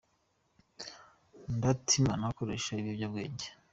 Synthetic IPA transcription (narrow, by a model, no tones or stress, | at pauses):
ndatʰimanakoɾeʃaiβibjabɡe̞̰ːɲɟe